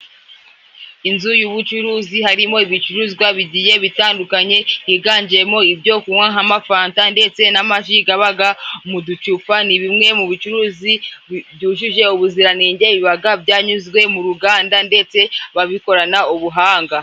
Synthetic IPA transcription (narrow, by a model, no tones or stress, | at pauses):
inzujuβut͡ʃuɾuːzihaɾimo̞iβit͡ʃuɾuzɡwaβiɟije̞βitaːndukaɲe̞hiɡaːɲɟiɾe̞mo̞ibɟo̞ːkuŋwaɦamafaːntande̞t͡se̞namaʃ̬iɡaβaɡamudut͡ʃufaniβimŋe̞muβit͡ʃuɾuːzibɟuːʃuʒe̞uβuziɾaniːɲɟe̞βiβaɡabɟaːɲuzɡwe̞muɾuɡaːndande̞t͡se̞βaβiko̞ɾanauβuɦaːŋɡa